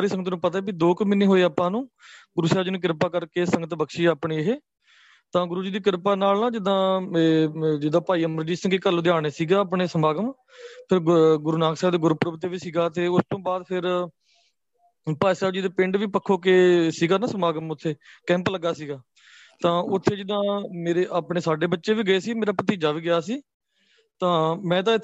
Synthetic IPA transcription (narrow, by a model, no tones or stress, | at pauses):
ɾiːsəŋɡət̪nũːpət̪aeːbid̪oːkmɪnẽːɦoːeːaːpːãːnũː | ɡʊɾuːsɛːbd͡ʒiːnũːkɪɾpaːkəɾkeːsə̃ŋɡət̪bəkʃiːaːpɳiːɦeː | t̪ãːɡʊɾuːd͡ʒiːd̪iːkɪɾpaːnaːlnãːd͡ʒɪd̪ãːed͡ʒɪd̪aːpaːiːəməɾd͡ʒiːsə̃ŋɡikəlːoːd̪eaːɽeːsiːɡaːaːp̬ɳeːsəmaːɡəm | pʰɪɾɡʊɾuːnaːksɛːbd̪eːɡʊɾpɾəbt̪eːʋiːsiːɡaːt̪eːʊst̪õːbaːd̪pʰɪɾ | paːisɛːbd͡ʒiːd̪eːpɪ̃ɳɖʋiːpəkʰːoːkeːsiːɡaːnãːsəmaːɡəmʊt̪ʰːeːkɛ̃ːmpləɡːaːsiːɡaː | t̪ãːʊt̪ʰːeːd͡ʒɪd̪ãːmeːɾeːʔaːpɳeːsaːɖeːbətːʃeːʋiːɡəeːsiːmeːɾaːpət̪iːd͡ʒaːʋiːɡɪjaːsiː | t̪ãːmɛ̃ːt̪̬ãːɪt̪